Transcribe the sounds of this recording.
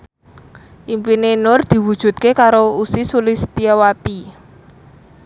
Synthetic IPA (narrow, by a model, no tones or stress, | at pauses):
ʔimpinenʊrd̪̥i̤wud̥ʒ̥ṳt̪̚kekaɾousisulist̪iawat̪i